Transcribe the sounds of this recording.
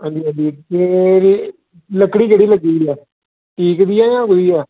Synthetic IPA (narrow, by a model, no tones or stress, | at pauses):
ə̃ːnd̪iːãːnd̪iːd͡ʒeː | ləkɽiːkəɽiːləɡiːiɛː | ʈiːkd̪iːaːjãːkd̪iːɛː